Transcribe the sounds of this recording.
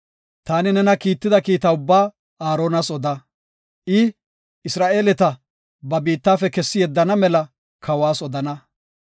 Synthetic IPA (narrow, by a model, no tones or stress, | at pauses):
t̪aːnɪnɛnɐkiːt̪ːɪd̪ɐkiːt̪ɐʊbːaː | aːɾo̞ːnɐsɔd̪ɐ | ʔɪ | ɪsɾaːʔe̞ːlɛt̪ɐ | bɐbiːt̪ːaːfɛkɛsːɪjɛd̪ːɐnɐmɛlɐ | kʰɐwaːsɔd̪ɐnɐ